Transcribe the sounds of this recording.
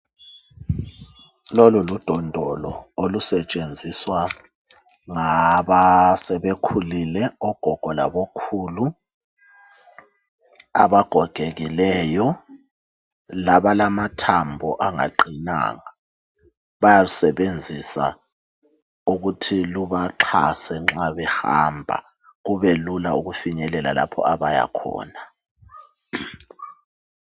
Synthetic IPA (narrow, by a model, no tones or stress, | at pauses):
lolulud̥ʱɔndʱɔlɔolusɛt͡ʃʼend͡zʱiswa | ŋaβasɛβekʰulilɛɔɡ̥ʱɔɡ̥ʱɔla̰βokʰuːlu | a̰βaɡ̥ʱɔɡ̥ʱeɣilɛjɔ | laɓalamatʰambʱɔʔaŋa̰ǃina̰ːŋa | ɓajalusɛɓend͡zʱisa̰ | uɣ̬utʰiluβaǁʰa̰sɛŋ͡ǁaβɛxa̰mbʱa̰ | ɣuβelulauɣufiɲɛlɛla̰la̰pʰɔ̰aβaja̰kʰɔ̰ːna